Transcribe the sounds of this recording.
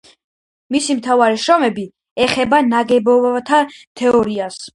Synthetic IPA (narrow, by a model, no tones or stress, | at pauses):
misimt̪ʰavaɾiʃɾɔmɛbi | ɛχɛbanaɡɛbɔvat̪ʰat̪ʰɛɔɾias